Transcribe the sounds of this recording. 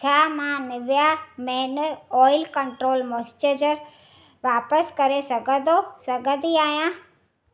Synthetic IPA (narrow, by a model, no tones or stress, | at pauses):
t͡ɕʰaːmãnɪʋjamɛ̃nɔːɪlkɐ̃ɳʈɾoːlmost͡ɕəd͡ʑəɾ | ʋaːpəskɐɾesɐɡʱə̃d̪osɐɡʱə̃d̪iaːɦjãː